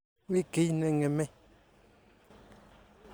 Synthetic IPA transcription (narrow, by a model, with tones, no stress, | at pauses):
wi˦ke˨˦nɛ˨ŋɛ˨mɛ˦